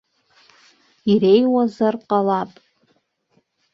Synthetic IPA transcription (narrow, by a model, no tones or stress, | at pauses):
irejwazarqʼalapʼ